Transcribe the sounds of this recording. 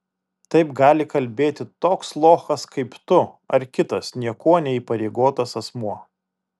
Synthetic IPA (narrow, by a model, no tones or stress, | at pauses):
t̪ɐɪpɡɑːlʲɪkɐlʲbʲeːt̪ʲɪt̪oːkslˠoːxɐskʰɐɪpt̪ʊ | ɐɾkʲɪt̪ɐsnʲiɛkoɔnʲɛiːˑpɐɾʲɛɪɡoːt̪ɐsɐsmuɔ